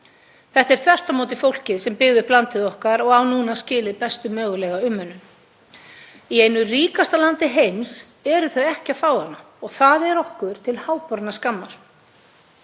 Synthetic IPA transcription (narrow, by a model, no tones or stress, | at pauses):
θɛht̪ɛɾ̥θvɛr̥t̪amoːwt̪̬ɪfowl̥cɪðsɛmpɪɣðʏplant̪ɪðɔhkaɾɔɣawnuːnascɪːlɪðpɛst̪ʏmœːɣʏlɛɣaʏmːœnːʏn | iejnʏriːkast̪alant̪ɪɦejms | ɛɾʏθœɥɛhcɪafaːwhanːa | ɔɣθaðɛɾɔhkʏɾ̥t̪ʰɪlhaːwpɔɾt̪naskamːaɾ̥